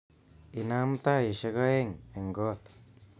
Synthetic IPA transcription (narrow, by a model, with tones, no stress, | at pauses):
i˧nã˦mt̪a˦i˨ʃa˧ɣa˦e˦ŋe˨ŋɡo˦t̪